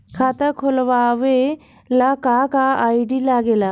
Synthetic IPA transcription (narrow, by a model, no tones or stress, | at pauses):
kʰaːt̪əkʰolʋaːʋe | lakakaaːiɖilaːɡeːla